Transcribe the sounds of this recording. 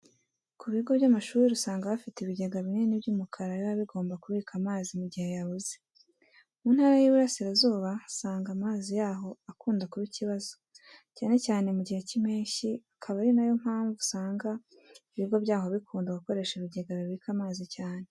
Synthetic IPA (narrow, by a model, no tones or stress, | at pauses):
kuβiɡo̞bɟamaʃuːɾiɾusaːŋɡaβafiteiβiɟe̞ɡaβinenibjuːmukʰaɾajβaβiɡo̞ːmbakuβiːkamaːzimuɟihe̞jaβuze | mun̥haɾajiβuɾasiɾazuːβasaːŋɡamaːzijaːɦo̞akuːndakuɾiciβazo̥ | caːne̞caːne̞muɟihe̞cimeːɲʃiakʰaβaɾinajo̞m̥haːɱvusaːŋɡa | iβiɡo̞bɟaːho̞βikuːndaɡuko̞ɾe̞ːʃiβiɟe̞ɡaβiβikʰamaːzicaːne̞